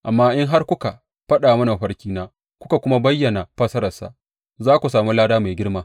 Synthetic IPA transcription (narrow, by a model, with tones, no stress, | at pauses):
ʔa˨mːaː˦ʔɪ˦ŋɦa˦rkʷʊ˦ka˨ | ɸɐ˦ɗaː˨mɐ˦na˨ɸɐ˦ɽkʲiː˦naː˦ | kʷʊ˦ka˨kʷʊ˦ma˦bɐ˦jːɐ˨na˨ɸɐ˦sɐ˦ɾɐ˨sa̰˨ | zaː˦kʷu˨saː˨mu˦laː˦daː˦ma˨ɡʲɪ˦rmaː˦